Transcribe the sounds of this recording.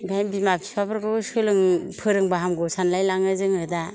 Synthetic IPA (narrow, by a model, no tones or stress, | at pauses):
ɡajnbimapʰi̥pʰabɯɾɡɯsɯlɯŋpʰɯɾɯŋbaɦamɡusanlajlaŋɯzɯŋɯda